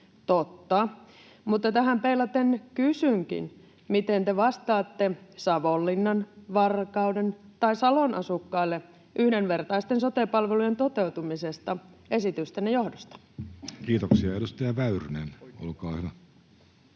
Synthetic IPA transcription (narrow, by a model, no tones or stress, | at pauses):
t̪ot̪ːɑ | mut̪ːɑt̪æɦæmpeilːɑt̪enkysyŋkḭn | mit̪ent̪eʋɑst̪ɑːt̪ːesɑʋolːinːɑnʋɑrkɑudent̪ɑisɑlonʔɑsukːɑilːe | ʔyhdenʋert̪ɑist̪ensot̪epɑlʋelujent̪ot̪eut̪umisest̪ɑesit̪yst̪ænɑjohdost̪ɑ̥ | kiːt̪oksiɑedust̪ɑjɑʋæyrnḛno̰lkɑːhyʋæ